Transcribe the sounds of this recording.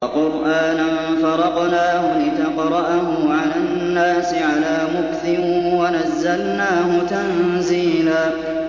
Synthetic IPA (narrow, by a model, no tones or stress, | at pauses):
wɑqʊɾʔaːnanfɑɾˤɑqnaːhʊlɪt̪ɑqɾˤɑʔahʊʕalaːnːaːsɪʕalaːmʊkθɪwanazːalnaːhʊt̪anziːlaː